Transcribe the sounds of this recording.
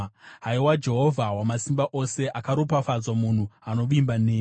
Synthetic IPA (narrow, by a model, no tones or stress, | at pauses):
ɦaiwad͡ʒe̞ɦo̞vʱawamasimbaʔo̞se̞ʔakaɾopafad͡zwamun̤uano̞ʋimbaneː